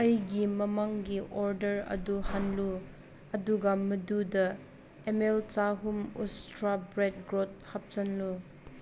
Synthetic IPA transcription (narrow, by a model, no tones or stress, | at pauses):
ɐjɡimɐmaŋɡiʔoɾdɐɾɐ̰duhanlu | ɐduɡamːɐdudɐ | emelt͡ʃaɦumṵstɾabɾet̚ɡɾot̚hap̚t͡ʃɐnlu